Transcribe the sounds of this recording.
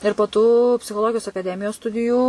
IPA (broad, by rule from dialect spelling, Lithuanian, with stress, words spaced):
ɪr poː ˈtuː pʲsʲɪxoːˈlˠoːɡʲɪjoːs ɐkɐˈdʲæːmʲɪjoːs ˈstʊdʲɪjuː